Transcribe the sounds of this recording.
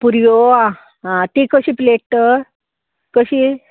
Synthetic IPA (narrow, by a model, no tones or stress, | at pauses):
puɾjoa | ɦãt̪ikəɕiːpleʈ̚t̪ə | kəɕiː